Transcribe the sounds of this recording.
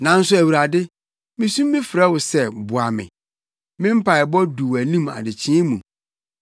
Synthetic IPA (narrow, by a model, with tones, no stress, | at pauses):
nã˨n̩˦sʊ˦æ˨wi˨ɾa˨dɪ˦ | mĩ˦sũ˦mː˦ɪ̃˦fɪ˨ɾɛ˦wʊ˨sɛ˦˨bʊ˨a˨mɪ̰̃˨ | mɪ̃˦m̩˦pʰa˨ɪ˨bɔ˦du˨wæ˨nĩ˦ma̰˨dɪ˨t͡ɕʰĩ˦mũ˨